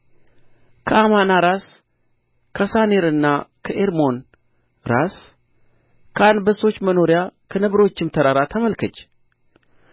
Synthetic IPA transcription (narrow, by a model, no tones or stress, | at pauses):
kʰəamanaɾas | kʰəsaneɾɨnːakʰəʔeɾmo̞n | ɾas | kʰəand̪bəso̞t͡ʃːməno̞ɾjakʰənɨβɾo̞t͡ʃːɪmt̪ʰəɾaɾat̪ʰəməlkʰət͡ʃː